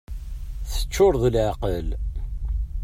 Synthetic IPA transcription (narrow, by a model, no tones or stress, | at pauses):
θə̥t͡ʃːʊɾðəlʕaqəl